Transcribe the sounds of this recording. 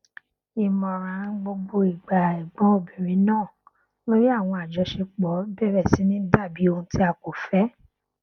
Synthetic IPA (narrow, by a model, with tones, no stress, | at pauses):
i˨mɔ̃˨ɾã˨˦ɡ͡bo˧ɡ͡bo˧i˨ɡ͡ba˨i˨ɡ͡bɔ̃˨˦o˦˨bĩ˨ɾ̃ĩ˨˦nãː˦˨ | lo˦ɾi˦a˦˨w̃ɔ̃˧a˨d͡ʒɔ˧˦ʃe˧k͡pɔ˨˦bɛ˦˨ɾɛ˦˨si˨˦nĩ˦da˦˨bi˨˦o˧hũ˧˦ti˦a˧ko˨fɛ˦